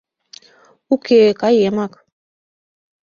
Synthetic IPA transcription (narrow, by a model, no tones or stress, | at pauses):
ukekajemak